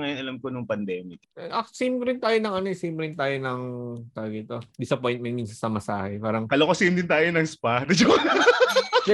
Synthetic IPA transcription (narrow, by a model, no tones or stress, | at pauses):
ŋɐjonʔɐlɐmkonʊŋpɐnd̪ɛːmɪkʔɐsɛmpɾɛɪnt̪aːjonɐŋʔɐnoɛsɛːmpɾɛɪnt̪aːjonɐŋt̪aːɡɐt̪od̪isɐpojn̚mɛnminsɐnsɐmɐsa̰ːhɛ̰paːɾɐŋkɐlokɐsɪɪnd̪ɪnt̪aːjonɐŋspat̪ɐd͡ʒ | d̪